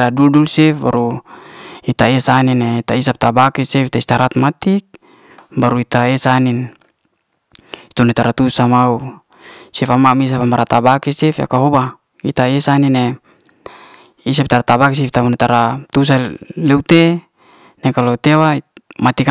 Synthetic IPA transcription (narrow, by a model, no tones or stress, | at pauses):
aduldulsɛfba̰ɾu | it̪aesanineit̪aisap̚t̪abakisɛft̪aist̪aɾat̪mat̪ik̚ | baɾuit̪aesanin | it̪unet̪aɾat̪usamau | sifamamis̬afamaɾat̪abakisɛfa̰kaɦoba | it̪aesanine | is̬ap̚t̪aɾat̪abakis̬ift̪amunet̪aɾat̪us̬aleut̪e | nekalot̪ewamat̪ika